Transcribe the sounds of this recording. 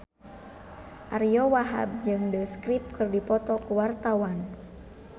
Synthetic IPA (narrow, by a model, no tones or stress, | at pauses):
ʔaɾijɔwaɦa̰b̚d͡ʒɨŋdəskɾip̚kɨrdipɔt̪ɔkuwart̪awan